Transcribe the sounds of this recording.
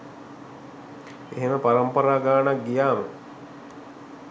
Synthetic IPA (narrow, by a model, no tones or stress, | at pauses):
eɦeməpaɾəmpəɾaːɡaːnak̚ɡijaːmə